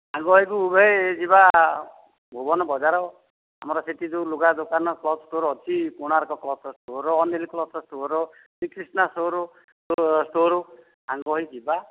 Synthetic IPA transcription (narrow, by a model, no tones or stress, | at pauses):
ɦaŋɡɔɦikubʱed͡ʒiba | bʱubɔnɔbɔd͡ʒaɾɔ | ɦa̰mɔɾɔseʈ̪id͡zuluɡad̪okanɔklɔʈoɾɦɔt͡sʰikuɽ̃aɾkɔklɔsɔsʈoɾɔːneliklɔsɔsʈoɾɔ | sikɾisnasoɾo | osʈoɾo | ɦaŋɡɔɦid͡ʒiba